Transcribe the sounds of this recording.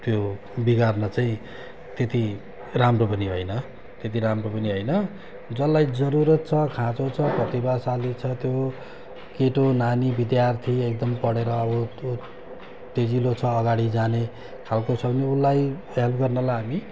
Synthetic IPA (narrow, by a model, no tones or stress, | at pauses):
t̪jo | biɡarnʌt͡saĩ | t̪et̪i | ramropʌniɦojnʌ | t̪et̪̬iɾamropʌniɦojnʌ | d͡zʌlːajd͡zʌɾuɾʌt̪̚t͡sʰʌkʰãt͡sot͡sʰʌprʌt̪ibasalit͡sʰʌt̪jo | keʈonanibid̪jart̪ʰiek̚d̪ʌmpʌɽeɾʌːbʌt̪o | t̪ed͡zilot͡sʰʌːɡaɽid͡zane | kʰalkosʰʌbneulːaj | ɦelp̚ɡʌrnʌlajɦami